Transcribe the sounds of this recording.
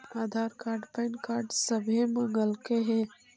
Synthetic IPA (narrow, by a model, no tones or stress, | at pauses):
aːd̪ʱaːɾkaːɾɖpənkaːɾɖsəbʱemə̃ŋɡəlkeɦe